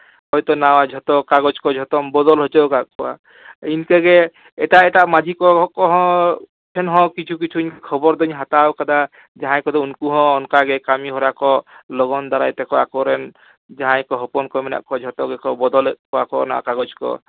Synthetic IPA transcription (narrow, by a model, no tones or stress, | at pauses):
hɔjt̪ɔnawad͡ʒʱɔt̪ɔkaɡɔd͡ʒkɔd͡ʒʱɔt̪ɔmbɔd̪ɔlɦɔt͡ʃɔkaʔkɔwa̰ | inkɛɡɛ | ɛʈaʔɛʈaʔmad͡ʒʱikɔkɔɦɔ̃ | pʰɛnɦɔ̃kit͡ʃʰuk̬it͡ʃʰuɲkʰɔbɔɾd̪ɔɲɦat̪awkad̪a | d͡ʒaɦãjkɔd̪ɔunkuɦɔ̃ːnkaɡɛkamiɦɔɾakɔlɔɡɔnd̪aɾa̰jt̪ɛkɔwakɔɾɛn | d͡ʒaɦãjkɔɦɔpɔnkɔmɛna̰ʔkɔd͡ʒʱɔt̪ɔɡɛkɔbɔd̪ɔlkɔwa̰kɔ̰na̰wa̰kaɡɔd͡ʒkɔ̰